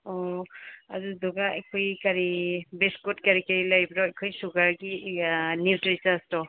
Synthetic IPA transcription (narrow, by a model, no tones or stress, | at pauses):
ɔ | a̰zudɔɡaekʰojkaɾibeskutkaɾikaɾilajbɾɔekʰojsuɡaɾɡiniwtɾisastɔ